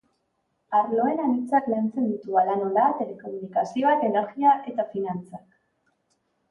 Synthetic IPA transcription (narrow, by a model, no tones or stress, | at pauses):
aɾlo̞e̞nanit͡saklant͡se̞nd̪ut̪ualano̞lat̪e̞le̞ko̞munikasio̞ak̪e̞ne̞ɾɣiaʔe̞t̪afinant͡sak